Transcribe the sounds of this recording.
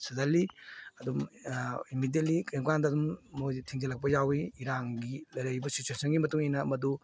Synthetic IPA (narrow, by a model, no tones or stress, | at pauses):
sɐzaliɐdumimidet̚likjeŋkandɐɐdumːojtʰiŋzɐlɐk̚pɐjawiiɾaŋɡilɐjɾɐjbɐsit͡ʃuesɐnɡimɐtuŋijnɐmɐdu